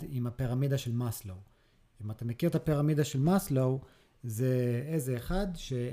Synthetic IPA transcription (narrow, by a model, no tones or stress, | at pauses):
imapeʁamidaʃe̞lmaslow | imat̪amekiʁt̪apiʁamidaʃelmaslow | zeezeːχad̪ʃe